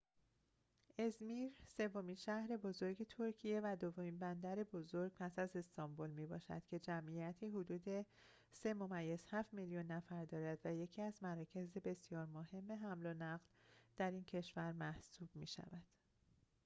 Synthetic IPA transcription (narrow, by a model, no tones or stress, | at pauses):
e̞zmiːɾse̞vːominʃæhɾe̞bo̞zo̞ɾɟe̞t̪ʰo̞ɾcʰije̞væd̪ovomiːnbænd̪æɾe̞bo̞zo̞ɾɡ̥̚pʰæsæze̞st̪ɒmbolmibɒ̰ːʃæ̰d̪̥cʰe̞d͡ʒæmʔijæt̪ʰiːɦod̪uːd̪e̞ | se̞mo̞mæjːe̞z̥hæft̪miljunːæfæɾd̪ɒːɾæd̪væje̞cʰiːæzmæɾɒːcʰe̞zebe̞sijɒːɾmohe̞mːe̞ɦæmlonæɣld̪̥æɾiːncʰe̞ʃvæɾmæhsuːb̥mḭːʃæ̰væd̪̥